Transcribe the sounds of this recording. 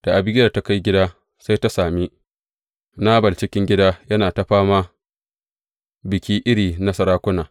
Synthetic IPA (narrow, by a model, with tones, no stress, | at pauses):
d̥a˨ʔa˨bɪ˦ɡʲɐ˨rta˦ka˦jɡʲɪ˦daː˦ | sa˦jta˦saː˨miː˦ | naː˦bɐ˨lt͡ʃɪ˦kʲɪ˦ŋɡʲɪ˦daː˦jɐ˦naː˨ta˦ɸaː˦ma˦ | bɪ˨kʲiː˦ʔɪ˦ɽiː˨na˦sɐ˦ɾaː˦kʷʊ˦naː˨